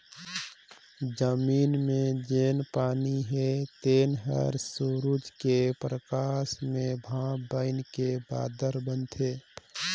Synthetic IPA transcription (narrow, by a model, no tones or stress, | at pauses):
d͡ʒəmiːnmẽd͡ʒeːnpaːniɦet̪eːnɦə̰ɾsuɾud͡ʒkepɾəkaːsmẽbʱãːbəɪnkeba̰ːd̪əɾbənt̪ʰeː